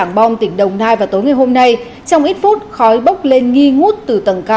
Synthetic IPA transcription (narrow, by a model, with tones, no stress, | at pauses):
a˧˩ŋɓa˧wŋ͡mt̪ï˧˩ŋ̟ɗə˨˩wŋ͡mnaː˧jvaː˨˩t̪o˨˦jŋa˨˩jɦo˧mna˧j | t͡ɕɔ˧wŋ͡mʔi˦˥t̚fu˦˥t̚xɔ˨˦jɓə˦˥wk͡p̚le˧nŋi˧ŋu˦˥t̚t̪ɨ˨˩t̪ə˨˧˩nkaː˧